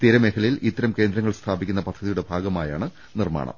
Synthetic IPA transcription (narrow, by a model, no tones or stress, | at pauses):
t̪iɾɐmekʰɐlɐjilʔit̪ːɐɾɐmke̞ːnd̪ɾɐŋːɐɭst̪ʰaːbikʲːunːɐpɐd̪ʱːɐðijuɽe̞bʱaːɡɐmaːja̰ːɳɨ | nirma̰ːɳɐ̰m